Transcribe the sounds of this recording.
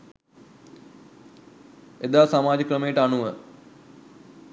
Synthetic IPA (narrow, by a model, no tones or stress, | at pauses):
ed̪aːsamaːd͡ʒəkrəmejəʈəanuʋə